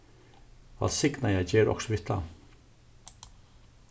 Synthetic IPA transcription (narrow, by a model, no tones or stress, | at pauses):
va̰lsɪknajæjd͡ʒɛːɾɔ̰ksɔvɪht̪ʰa̰